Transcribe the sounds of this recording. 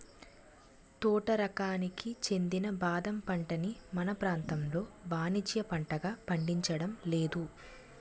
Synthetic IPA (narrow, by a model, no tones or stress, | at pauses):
t̪ɔːʈɐɾɐkaːnikit͡ʃe̞nd̪inɐbaːd̪ɐmpɐɳʈɐnimɐnɐpɾaːnt̪ɐmlo̞ːbaːnid͡ʒjɐpɐɳʈɐɡaːpɐɳɖiɲt͡ʃɐɽɐmle̞ːd̪u